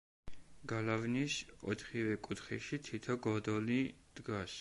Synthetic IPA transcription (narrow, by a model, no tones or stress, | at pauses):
ɡ̥alavnisɔ̰t̪ʰχivɛkʼut̪ʰχɛ̰ʃit̪ʰit̪ʰɔɡɔd̪ɔlid̪̥ɡas